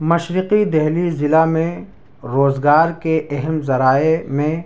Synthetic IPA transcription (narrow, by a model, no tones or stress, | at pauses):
mɐʃɾɪqid̪ɛɦlizɪlamẽ | ɾoːzɡaːɾkeʔɛɦɛmzɐɾaːemẽ